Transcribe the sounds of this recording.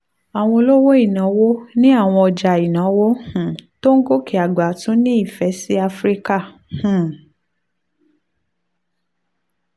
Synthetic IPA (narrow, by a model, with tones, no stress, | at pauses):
a˨w̃ɔ̃˧lo˦wo˦i˦˨nã˨˦wo˦nĩ˦a˦˨w̃ɔ̃˧ɔ˧d͡ʒa˨i˨nã˨˦wo˦hũ˨to˦ŋ̩˦ɡo˦kʰi˨a˨ɡ͡ba˨tũ˨˦nĩ˦i˦˨fɛ˨˦si˦a˧fɾi˦ka˦˨ | hũ˨